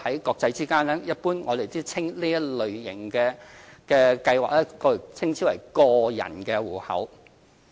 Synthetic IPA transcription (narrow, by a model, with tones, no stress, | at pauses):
hɐ˨˥jkɔː˧k̚t͡sɐ˧jt͡siː˥kaː˥nlɛː˥jɐ˥t̚puː˥nŋɔː˨˧d̪e˨jt͡siː˥t͡sʰɪ˥ŋliː˥jɐ˥lɵ˨ɥjɪ˨˩ŋkɛː˧kɛː˧kɐ˧jwa̰ː˨˩k̚lɛː˥kɔː˧˨˩t͡sʰɪ˥ŋt͡sʰiː˨˥wɐ˨˩jkɔː˧jɐ̰˨˩nkɛː˧wuː˨˩hɐ̰˨˥w